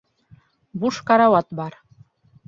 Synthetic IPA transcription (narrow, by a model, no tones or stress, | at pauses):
buʃkɑɾɑwɑt̪bɑɾ